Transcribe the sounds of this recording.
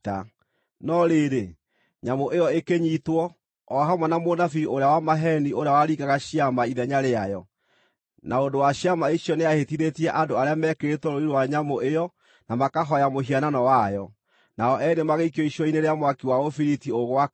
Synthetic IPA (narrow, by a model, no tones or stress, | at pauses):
a | nɔɾeːɾe | ɲamoʔejɔekeɲitwɔ | ɔɦamwanamonafioɾejawamaɦɛnioɾeawaɾikaɣaɕiamaiðɛɲaɾeajɔ | naondowaɕjamaiɕjɔneahetiðetiɛʔandoaɾeamɛkeetɔɾoiɾowaɲamoʔejɔ | namakaɦɔjamoɦiananɔwajɔ | naɔʔɛɾemaɣeikiɔiɕɔineɾeamwakiwaofiɾitioɣwa